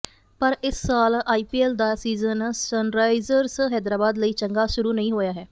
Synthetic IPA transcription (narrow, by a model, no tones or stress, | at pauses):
pəɾɪsːaːlaːiːpiːɛːld̪aːsiːzənsənɾaːɪzəɾsɦɛːd̪ɾaːbaːd̪ləiːt͡ʃəŋɡaːʃʊɾuːnəĩːɦoːjaːɦɛː